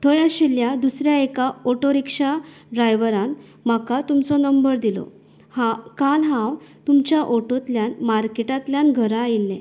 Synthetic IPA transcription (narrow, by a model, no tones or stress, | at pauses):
t̪ʰɔjaɕiljad̪usɾjaekaoʈoɾikʂa | ɖɾajʋəɾan | m̤akat̪umt͡sɔnəmbəɾd̪ilɔ̰ | hãkalɦãwt̪umt͡ɕjaʔoʈot̪ljãnmaɾkeʈat̪ljanɡʱəɾajilːẽ